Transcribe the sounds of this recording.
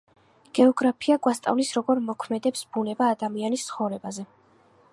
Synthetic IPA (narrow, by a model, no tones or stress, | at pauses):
ɡ̥ɛɔɡɾapʰiaɡʼwast̪ʼa̰vlisɾɔɡɔɾmɔkʰmɛd̪ɛpsbunɛbaːd̪amianist̪sʰχɔvɾɛbazɛ